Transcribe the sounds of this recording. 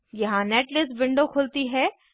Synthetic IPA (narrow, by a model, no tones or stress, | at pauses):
jɐɦãnɛːʈlɪsʋɪ̃ɳɖokʰʊlt̪iɦɛː